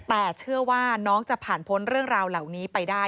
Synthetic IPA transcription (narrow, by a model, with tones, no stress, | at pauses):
t̪ɛː˨˩t͡ɕʰɯ˥˩əwaː˥˩nɔː˦˥ŋt͡ɕa˨˩pʰaː˨˩npʰo˦˥nɾɯ˥˩əŋɾaː˧wla˨˩wniː˦˥pa˧jdaː˥˩j